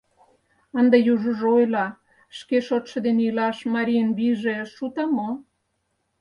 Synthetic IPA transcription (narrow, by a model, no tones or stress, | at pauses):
ənd̪ɑjuʒəʒojlɑ | ʃkeʃot̪ʃɤ̆d̪eneilɑʃmɑɾʲinβiʒeʃut̪ɑmo